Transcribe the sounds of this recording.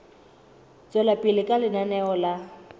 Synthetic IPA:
t͡sʼɛlapʼilɪkʼalɪnanɛɔla

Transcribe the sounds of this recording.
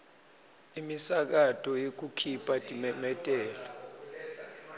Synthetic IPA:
imisak̬atʼɔjok̬ukʰipʼad̥ʱʼimɛmɛtʼɛːla

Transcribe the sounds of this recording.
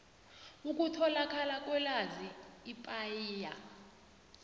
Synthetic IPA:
uk̬ʼutʰɔlakʰalak̬ʼwɛlaziːpʼajiːja̰

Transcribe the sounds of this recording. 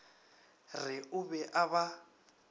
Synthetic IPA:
rɪʊbɛʔaβa

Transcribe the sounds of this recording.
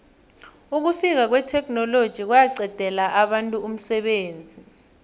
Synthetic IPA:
uk̬ufik̬ak̬wɛtʰɛk̬ʼnɔlod̥ʒ̥ʱik̬wajaɡ͡ǀɛd̥ʱɛlaʔaɓantʼuum̩sɛɓeːnd͡zʱi

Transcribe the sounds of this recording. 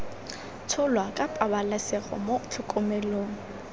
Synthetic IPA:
t͡sʰʊlwakʼapʼabalasɛɣɔ̰mot͡ɬʰʊkʼʊmɛloːŋ̩

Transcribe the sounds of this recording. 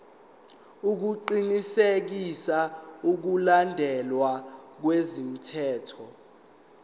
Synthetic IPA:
uk̬uǃinisek̬isauk̬ulandʱɛlwak̬wezin̩tʰɛːtʰɔ

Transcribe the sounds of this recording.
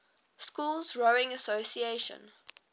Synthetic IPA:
skuːlˠzɹoɪ̃ŋəsosieʃə̰̃n

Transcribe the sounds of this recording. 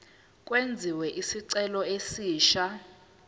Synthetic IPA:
kʼwend͡zʱiwɛʔisiǀɛlɔesiːʃa

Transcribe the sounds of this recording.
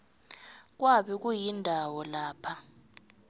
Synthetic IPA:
k̬ʼwaɓik̬ujindʱawɔlaːpʰa

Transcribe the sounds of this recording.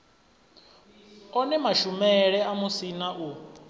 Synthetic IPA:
ɔnɛmaʃumɛɺɛamusinaʔu

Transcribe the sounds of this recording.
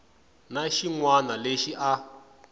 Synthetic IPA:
naʃiŋwanaleʃiʔa

